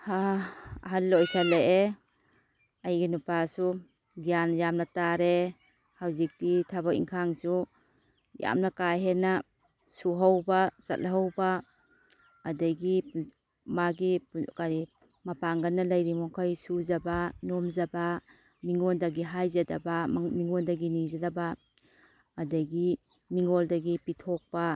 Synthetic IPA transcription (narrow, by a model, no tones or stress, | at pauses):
haa̰ɦallɔjsaleʔe | ajɡinupasu | ɡijanjamnataɾe | hawzik̚titʰabaḭŋkʰaŋsu | ja̰mnakajɦena | suɦawbasa̰t̚lɦawba | daɡi | maɡikaɾi | mɐpaŋɡɐnːɐlajɾimɔkʰajsuzabanomzaba | miŋɔndaɡiɦajzadabamiŋɔndaɡinizadabaː | daɡi | miŋoldaɡipitʰɔk̚ba